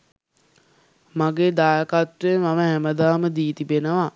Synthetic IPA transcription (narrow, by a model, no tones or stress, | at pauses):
maɡeːd̪aːjəkat̪ɾenʋaməɦæməd̪aːməd̪iːt̪ibenəʋa